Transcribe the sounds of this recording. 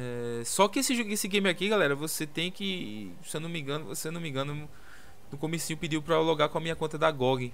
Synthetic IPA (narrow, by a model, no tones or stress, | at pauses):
ɛsɔkɪesɪʒesɪɡẽjmɪakiɡalɛɾɐvoset̪ẽj̃kɪ | sewnõmĩɡɐ̃nʊsewnõmĩɡɐ̃nʊ | nʊkõmesĩɲʊpid̪iwpɾɐloɡakõɐmĩɲɐkõt̪ɐd̪ɐɡɔɡɪ